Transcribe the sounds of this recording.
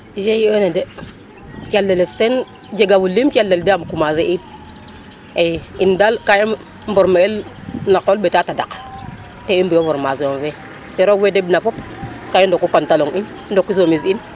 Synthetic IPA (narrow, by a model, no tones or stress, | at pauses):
d͡ʒejenede | kʲalːelesten | d͡ʒeɡabulːimkʲalːeldamkumazeʔin | eindalkaji | mboɾmaelnakolbetatada̰k | teinbujovoɾma̰zjove | teɾovedebnafop | kajindokːupantaloŋinndokːuzomizin